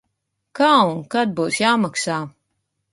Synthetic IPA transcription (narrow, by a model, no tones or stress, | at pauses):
kaːunkad̪̚buːsjaːmaksaː